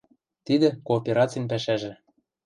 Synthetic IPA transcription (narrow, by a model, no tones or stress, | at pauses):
t̪id̪ĕkoːpʲeɾɑt͡sijnpæʃæʒĕ